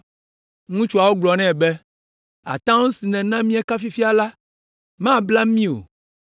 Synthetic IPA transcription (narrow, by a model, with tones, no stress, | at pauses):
ŋũ˦t͡ʃu˦a˨wo˦ɡ͡blɔ˨nɛ̃˦˨bɛ˦ | a̰˨t̪ã˦ŋũ˦si˨nɛ̃˨nã˦mĩ˦e˦ka˦fi˦fi˦a˨la˦ | mã˦˨bla˦mĩ˦o̰˨